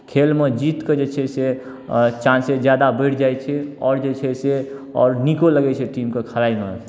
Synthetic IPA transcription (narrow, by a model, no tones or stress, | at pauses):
kʰelmed͡ʒit̪ked͡ʒet͡ʃʰɛse | t͡ʃãnsed͡ʒjad̪abəjʈʰd͡ʒajt͡ʃʰɛɔ̰ːɾd͡ʒet͡ʃʰɛseɔ̰ːɾnikoləɡɛt͡ʃʰɛʈimkekʰəlaime